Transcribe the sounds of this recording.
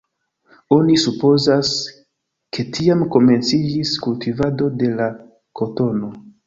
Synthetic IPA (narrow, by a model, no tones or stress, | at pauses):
o̞nisupo̞zas | kʰe̞tʰiamko̞me̞nt͡sid͡ʒiskultivado̞de̞la | ko̞to̞no̞